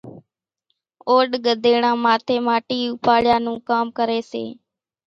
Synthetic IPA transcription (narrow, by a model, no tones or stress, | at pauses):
oːɗɠəd̪ʱeːɳãːmaːt̪ʰeːmaːʈiːʊpaːɭjaːnũːkaːmkəɾeːsḛː